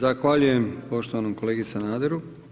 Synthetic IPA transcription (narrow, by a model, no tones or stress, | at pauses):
zaxʋaʎuje̞mpo̞ʃt̪oʋanomko̞leːɡisanaːd̪eɾu